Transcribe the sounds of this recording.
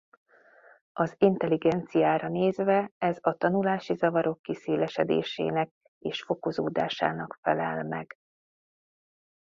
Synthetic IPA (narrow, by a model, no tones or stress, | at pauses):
ɒzint̪ɛliɡɛnt̪sijaːɾɒneːzvɛɛzɒt̪ɒnulaːʃizɒvɒɾo̞kːiseːlɛʃɛd̪ḛːʃḛːnɛk̚ | eːʃfo̞ko̞zoːd̪a̰ːʃa̰ːnɒkfɛlɛlmɛɡ̥